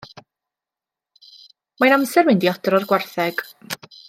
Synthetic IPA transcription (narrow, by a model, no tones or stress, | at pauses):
manamsɛrmɪndiɔdrɔrɡwarθɛɡ̥